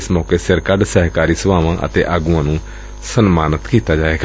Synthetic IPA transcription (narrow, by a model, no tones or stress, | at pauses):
smɔːkeːsəɾkəɖsəɦkaːɾiːsəʋaːʋãːʔə̰t̪ḛːʔaːɡuãːnũː | sənmaːnət̪kiːt̪aːd͡ʒaːeːɡ